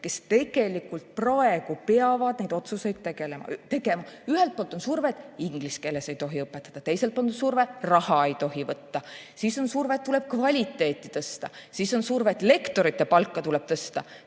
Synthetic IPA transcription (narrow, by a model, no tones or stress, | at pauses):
ke̞st̪e̞ɡ̥e̞likːult̪̚prɑe̞ɡ̥upeɑvɑd̪̥ne̞jd̪o̞t̪suse̞jd̪̥̚t̪e̞ɡ̥e̞le̞mɑ̰t̪e̞ɡe̞mɑyhelt̪̚poːlt̪o̞nsurved̪̥iŋɡ̥liske̞lːe̞se̞jt̪o̞ɦiɤpːˑet̪ːˑɑd̪̥ɑt̪e̞jse̞lt̪̚pɑnt̪usurverɑhɑejt̪o̞ɦivɤt̪ːɑsiːso̞nsurvet̪ːule̞b̥̚kvɑlʲit̪ːe̞ːt̪ːˑi̥t̪ɤst̪ɑsiːso̞nsurvet̪ːˑle̞kt̪o̞ɾit̪ːe̞pɑlkːɑt̪ule̞b̥̚t̪ɤst̪ɑ̰